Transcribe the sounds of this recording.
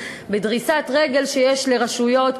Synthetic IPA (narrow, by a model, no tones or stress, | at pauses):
bedʁisatʁe̞ɡe̞lʃejeʃleʁaʃujo̞t